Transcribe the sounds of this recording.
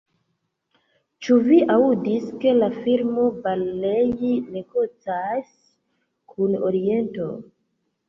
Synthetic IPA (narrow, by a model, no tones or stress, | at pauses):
t͡ʃuviʔaudiske̞lafilmo̞balːejinekot͡sas | kʰuno̞̰ɾie̞nto̞